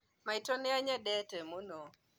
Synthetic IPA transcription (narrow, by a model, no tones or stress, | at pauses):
maitɔniaɲɛɗɛtɛmunɔ